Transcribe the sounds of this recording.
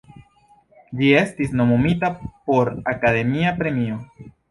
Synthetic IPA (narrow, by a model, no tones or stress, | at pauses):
ʎie̞st̪isno̞mumit̪apo̞ɾakaðe̞miapɾe̞mio